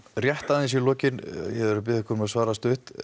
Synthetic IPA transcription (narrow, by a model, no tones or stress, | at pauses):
rjɛht̪aðɪns̬ilɔːcɪnjɛðɛɾʏp̬ɪðɪhkʰɔɾmaðsvaːɾast̪ʏht̪